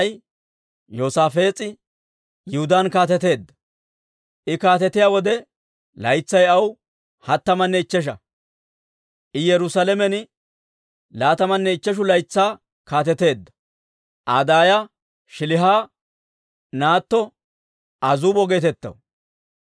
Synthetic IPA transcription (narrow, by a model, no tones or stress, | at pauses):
j | joːsaːfe̞ːt͡sʼɪ | jʊhʊd̪aːnkaːt̪ɛt̪e̞ːd̪ːɐ̥ | ʔɪkaːt̪ɛt̪ɪjaːwɔd̪ɛ | lɐjt͡sːɐjɐw | hɐt̪ːɐmɐnːɛɪt͡ʃːɛʃ̬ɐ | ʔɪjɛɾʊsalɛmɛnɪ | laːt̪ɐmɐnːɛɪt͡ʃːɛʃ̬ʊlɐjt͡sːaː | kaːt̪̬ɛt̪e̞ːd̪ːɐ̥ | ʔaːd̪aːjɐ | ʃɪlɪɦaː | naːt̪ːɔ | ʔɐzuːbɔɡe̞ːt̪ɛt̪ːɐ̰w